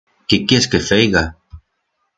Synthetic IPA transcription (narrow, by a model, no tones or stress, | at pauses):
kekeskefejɣa